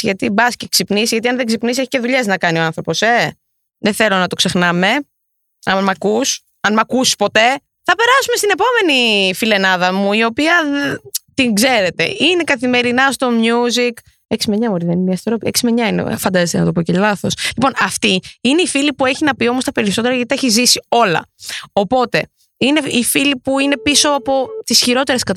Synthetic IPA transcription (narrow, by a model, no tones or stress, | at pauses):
ʝɐt̪ibɐsceksipnisʝɐt̪iɐnðeɡzipnis̬eçi̥ce̞ðuʎe̞znɐkɐnio̞ɐ̃nθɾo̞po̞se̞ | ðeθe̞lo̞nɐt̪o̞kse̞xnɐme̞ | ɐnmɐkus | ɐnmɐkusi̥spo̞t̪e̞ | θɐpe̞ɾɐsumest̪ine̞po̞me̞nifile̞nɐðɐmuio̞piɐðt̪iŋɡze̞ɾe̞t̪e̞̰ine̞kɐθime̞ɾinɐst̪o̞mɲuzik | eksimeɲɐmoɾiðeniniɐst̪eɾopieksimeɲɐinḛfɐnd̪ɐzest̪ḛnɐ̰t̪o̞pocelɐθo̞slipo̞nɐft̪iine̞ifilipue̞çinɐpio̞most̪ɐpe̞ɾiso̞t̪e̞ɾɐʝɐt̪it̪ɐeçizisio̞lɐ̰o̞po̞t̪e̞ | ine̞ifilipuine̞piso̞ɐpo̞t̪isçiɾo̞t̪e̞ɾe̞skɐt̪